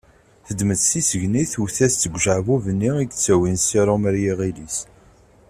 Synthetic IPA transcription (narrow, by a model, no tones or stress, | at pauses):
θəd̪məd̪sisəʝniθuθæst͡s̪ːəɡʷʒəʕvuvənːiit͡sːæwinsiɾˤoməɾjiʁilis